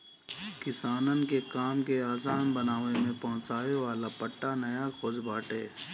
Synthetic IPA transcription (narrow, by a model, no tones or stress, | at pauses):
kɪsaːnənkekaːmkeaːsaːnbənaːʋemẽpɐɦʊ̃t͡ʃaːʋeʋaːlapəʈːanɐjakʰoːd͡ʒbaːʈeː